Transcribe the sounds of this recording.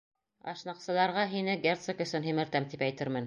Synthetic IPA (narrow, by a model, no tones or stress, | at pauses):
ɑ̰ʃnɑqsɤ̆lˠɑɾʁɑɦinɘɡʲert̪sɤkɵ̆sɵnɦimɘ̆ɾt̪æmt̪ipæjt̪ɘ̆ɾmɘn